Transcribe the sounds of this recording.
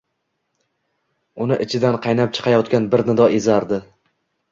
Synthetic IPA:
ʊnɪʔɪt͡ʃʰɪd̪anqʰɑjnap̚t͡ʃʰɨ̥qʰɑjɒt̪kʲanbɪɾnɪd̪ɒezaɾd̪ɪ

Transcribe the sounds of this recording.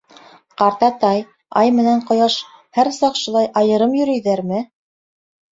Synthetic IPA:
qɑɾt̪ɑt̪ɑj | ɑ̰jmɘ̆næɴqŏjɑʃ | hæɾsɑqʃŭlˠɑjʔɑjɤ̆ɾɤmjɵ̆ɾɵ̆jðæɾmɘ

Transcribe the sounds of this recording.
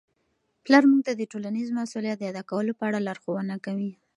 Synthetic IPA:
plaɾmuɡ̚t̪ad̪əʈolanizmasuljat̪̚d̪əjad̪akawəlopəaɽalaɾxowənakawi

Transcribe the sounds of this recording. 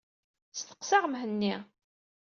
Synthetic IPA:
st̪ə̥qsɑʁmɦənːi

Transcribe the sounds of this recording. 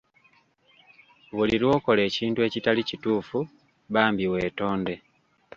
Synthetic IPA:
βuliɾwo̞ːko̞le̞ːciːntue̞citalicituːfu | βaːmbiwe̞ːto̞ːnde̞

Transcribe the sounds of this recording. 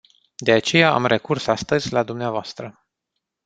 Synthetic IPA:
d̪e̞at͡ʃe̞jaa̰mre̞kursast̪əzʲlad̪umneavoast̪ɾə

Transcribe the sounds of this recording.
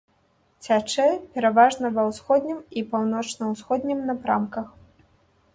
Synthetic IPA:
t͡sʲat͡ʂɛpʲɛɾavaʐnɐvɐwsxɔd̪ʲnʲimipawnɔt͡ʂnɐwsxɔd̪ʲnʲimnɐpɾamkɐx

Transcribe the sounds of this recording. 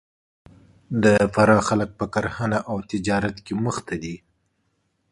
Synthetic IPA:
d̪əfaɾɑxalək̚pəkaɾhanaʔawt̪ɪd͡ʒɑɾat̪keməxt̪ʰad̪i

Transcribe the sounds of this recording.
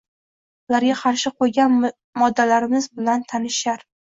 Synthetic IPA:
ʊlaɾɡʲaqʰɑɾʃɪqʰojɡʲan | mɒd̪ːalaɾɪmɪzbɪlant̪ʰanɪʃaɾ

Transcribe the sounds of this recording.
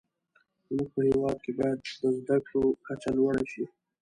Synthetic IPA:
muɡ̚pəhewɑd̪̚kebɑjad̪ːəzd̪akɽokat͡ʃalwaɽaʃi

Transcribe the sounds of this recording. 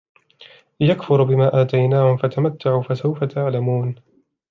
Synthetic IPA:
jakfʊɾbɪmaːʔaːt̪ajnaːhʊmfat̪amat̪ːaʕuːfasawfat̪ʰaʕlamuːn

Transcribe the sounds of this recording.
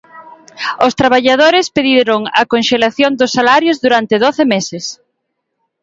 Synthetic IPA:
ʊst̪ɾaβaʎað̞oɾɪspeðiɾʊŋɐ̰konʃelaθjond̪ʊsːalaɾjʊzðuɾant̪ɪðoθemesɪs

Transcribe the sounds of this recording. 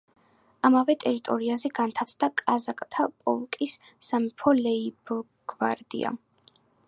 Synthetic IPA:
amavɛt̪ʼɛɾit̪ʼɔɾiazɛɡant̪ʰafsd̪akʼazakʼt̪ʰapʼɔ̰lkʼisː | amɛpʰɔlɛib | ɡ̥va̰ɾd̪ḭa̰

